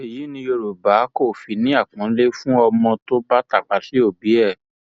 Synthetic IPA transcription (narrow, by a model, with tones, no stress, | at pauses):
e˨ji˨˦nĩ˧jo˧ɾo˨ba˨˦ko˦˨fi˨˦nĩ˦a˦˨kã˨˦le˦fũ˦ɔ˧mɔ̃˧to˦ba˦ta˦˨k͡pa˨ti˦o˦˨bi˨˦ɛ˦˨